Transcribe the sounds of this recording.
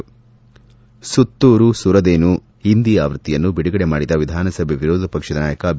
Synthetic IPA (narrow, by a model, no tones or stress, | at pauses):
sut̪ːuːɾusuɾɐd̪eːnu | ind̪ijaːʋɾɨt̪ːijɐnːubiɽuɡɐɽemaːɽid̪ɐʋid̪ʱaːnɐsɐbʱjeʋiɾoːd̪ʱɐpɐkʂɐd̪ɐnaːjɐkɐb